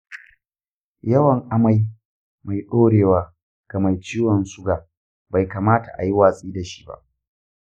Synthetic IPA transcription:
jɐ˦wɐ˨ŋʔa˦ma˦j | ma˨jɗoː˦ɽeː˨waː˦ | ɡ̥ɐ˨ma˨jt͡ʃiː˦wɔ˨nsʊ˦ɡaː˨ | ba˨jkaː˨maː˦ta̰˨ʔa̰˨ji˦waː˨sʼiː˦da˨ʃi̥˦ba̰˦ʔ

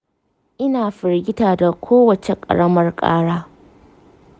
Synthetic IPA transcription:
ʔɪ˦naː˨ɸɪ˨rɡʲɪ˦taː˨da˨kʷʰoː˦wɐ˨t͡ʃe˨kʼɐ̰˨ɽɐ˦mɐ˦rkʼa̰ː˦ɽaː˦

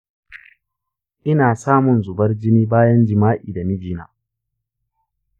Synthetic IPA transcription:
ʔɪ˦naː˨saː˦mʊ˨nzʊ˨bɐ˦rd͡ʒɪ˦niː˦baː˦jɐ˦nd͡ʒɪ˨maː˦ʔiː˨da˨mɪ˦d͡ʒiː˦na̰ː˨

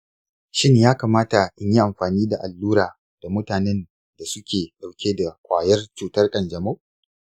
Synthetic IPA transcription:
ʃɪ˦ɲjaː˦kaː˨maː˦ta˨ʔɪ˦ɲji˦ʔa˨mɸaː˨niː˦da˨ʔa˨lːuː˦ɾaː˨ | d̥a˨mʊ˦taː˨nɛ˦n | da˨sʊ˦kʲeː˨ɗa˨wkʲeː˦da˨kʷaː˨jɐ˦rt͡ʃuː˨tɐ˦rkʼɐ˨nd͡ʒɐ˨mo˦

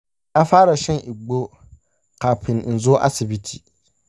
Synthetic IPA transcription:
a˦faː˦ɾa˨ʃɛ˦nʔi˨ɡ͡bo˦ | ka˨pʰɪ˨nn̩˨zo˦ʔa̰˦sɪ˨bi˦tʰi˨

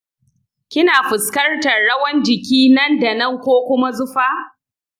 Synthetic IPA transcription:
kʲɪ˦naː˨ɸɪ˨skɐ˦rtɐ˨ɽɐ˦wɐ˦nd͡ʒɪ˨kʲiː˦nɐ˦nda˨nɐ˦ŋkʷoː˦kʷʊ˦ma˦zʊ˦ɸaː˦

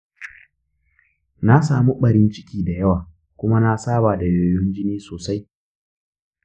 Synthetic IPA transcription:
na˦saː˨mu˦ɓɐ˨ɾɪ˦nt͡ʃɪ̥˦kʲiː˨da˨jɐ˦waː˨ | kʷʊ˦ma˦na˦saː˦baː˨da˨joː˨jʊ˦nd͡ʒɪ˦niː˦soː˨sa˦j

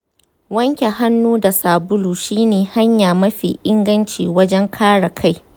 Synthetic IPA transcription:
wɐ˦ŋkʲe˨ɦa˦nːuː˦da˨saː˨bʊ˦luː˨ʃiː˦neː˨ha˦ɲjaː˨mɐ˦ɸḭː˨ʔɪ˦ŋɡɐ˦nt͡ʃḭː˨wɐ˦d͡ʒɛ˦ŋkʰaː˦ɽa˨kʰa˦˨j

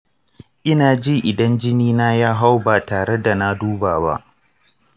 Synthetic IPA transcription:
ʔɪ˦naː˨d͡ʒi˦ʔɪ˨dɐ˦nd͡ʒɪ˦niː˦naː˦jaː˦ɦa˦wba˨taː˨ɽe˦da˨na˦duː˦baː˨ba̰˦ʔ

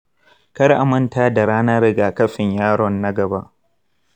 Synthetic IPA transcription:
kɐ˦rʔa˨mɐ˦ntaː˦da˨ɽaː˦naː˦ɾɪ˦ɡa˨kɐ˦ɸɪ˨ɲjaː˦ɽɔ˨nːɐ˦ɡɐ˨ba˦ʔ

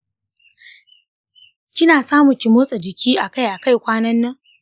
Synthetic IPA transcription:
kʲɪ˦naː˨saː˦mʊ˨kʲɪ˨moː˦sʼɐ˨d͡ʒɪ˨kʲʰiː˦ʔa˨ka˦jʔa˨ka˦jkʷaː˦nɐ˦nːɐ˦ŋ

